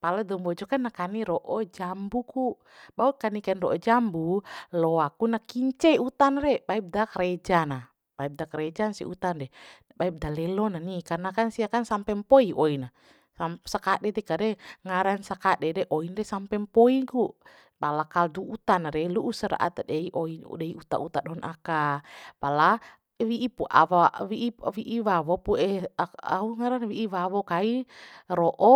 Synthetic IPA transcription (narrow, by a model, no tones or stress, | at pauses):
paladɔmbɔd͡ʒɔkanːakaniɾɔʔɔd͡ʒambuku | baukanikanrɔʔɔd͡ʒambulɔakunakiɲt͡ʃɛut̪anɾɛbaip̚dakaɾɛd͡ʒana | baip̚dakaɾɛd͡ʒanasḭṵt̪andɛ | baip̚dalɛlɔnanikarnakansiakansampɛmpɔiʔɔina | amsakadɛdɛkaɾɛŋaɾansakadɛdɛʔoindɛsampɛmpoiɡu | balakalduut̪anaɾɛluʔusaɾa̰ʔa̰t̪adɛiʔoin̰dɛiut̪a̰ut̪aɗɔɔnʔakabala | wiʔipuʔa̰wawiʔiwiʔiwawɔpuɛaa̰uŋaɾanwiʔiwawɔkaiɾɔʔɔ